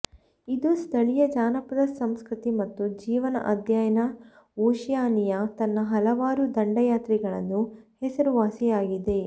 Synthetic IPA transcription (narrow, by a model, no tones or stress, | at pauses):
id̪ust̪ʰɐɭijɐd͡ʒaːnɐpɐd̪ɐsɐmskɾut̪imɐt̪ːud͡ʒiːʋɐnɐ̰ʔɐd̪ʱjaːjɐnɐ | oːʃjaːnijɐt̪ɐnːɐɦɐlɐʋaːɾud̪ɐɳɖɐjaːt̪ɾiɡɐɭɐnːuhɛsɐɾuʋaːsijaːɡid̪e̞